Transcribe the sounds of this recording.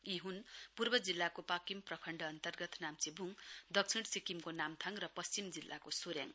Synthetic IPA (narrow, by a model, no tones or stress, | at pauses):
iɦunpurbʌd͡zilːakopakimprʌkʰʌɳɖʌːnt̪ʌrɡʌt̪namt͡sibʱuŋd̪ʌk̚t͡sʰiɽsikimkonamt̪ʰaŋrʌpʌst͡ɕimd͡zilːʔa̰kosuɾja̰ŋ